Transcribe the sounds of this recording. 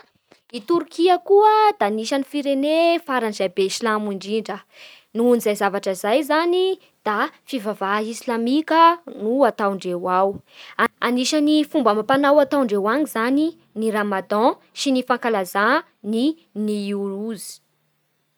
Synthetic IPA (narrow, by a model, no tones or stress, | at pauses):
it̪uɾukiəkuəd̪aːniʃanifiɾenefaɾanizajbeiʃilamiɳɖ͡ʐiɳɖ͡ʐə | nuunizajzavaʈ͡ʂəizajzani | d̪̥afivavaisilamikənuat̪awɳɖ͡ʐewaw | aniʃanifumbəmapanawat̪awɳɖ͡ʐewaɲizani | niramad̪ɑ̃ | ʃinifãŋkalaza | ni | niuɾuzi̥